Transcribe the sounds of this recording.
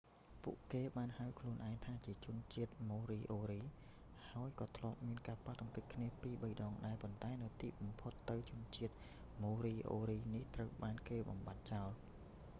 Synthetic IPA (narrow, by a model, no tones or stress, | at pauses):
pṵəʔkeːɓaːnhawkʰluənʔaɛŋt̪ʰaːt͡ɕiət͡ɕʊ̆ənt͡ɕiət̪̚moːɾiːʔoːɾiː | haəjkɑːt̪ʰlŏəp̚miənkaːpat̪ɑŋkɨc̚kʰniəpiːɓəjɗɑːŋɗaɛpont̪aɛnɨwt̪iːɓɑmpʰot̪ːɨwt͡ɕʊ̆ənt͡ɕiət̪̚ | moːɾiːʔo̰ːɾiːniht̪rəwɓaːnkeːɓɑ̰mɓat̪̚t͡ɕaɔl